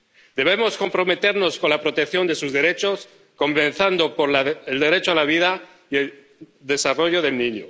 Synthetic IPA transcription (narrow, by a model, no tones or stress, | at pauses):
d̪e̞β̞e̞mo̞sko̞mpɾo̞me̞t̪e̞ɾno̞sko̞nlapɾo̞t̪ek̚θjo̞nd̪e̞suzðe̞ɾe̞t͡ʃo̞s | ko̞mbẽ̞nθand̪o̞poɾlaeld̪e̞ɾe̞t͡ʃoalaβ̞iða | ie̞l | d̪e̞saro̞ʝo̞ðe̞lnĩɲo